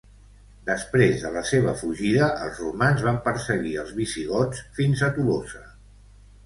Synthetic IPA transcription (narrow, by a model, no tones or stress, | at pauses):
d̪əspɾezðələseβ̞əfuʒiðəʔəlˠzrumanzβampəɾsəɣiəlˠzβisiɣ̞ɔt͡sfinzət̪ulosə